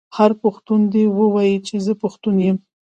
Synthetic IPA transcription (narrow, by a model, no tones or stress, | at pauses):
haɾpʊxt̪und̪ewəwajit͡ʃezəpʊxt̪unjəm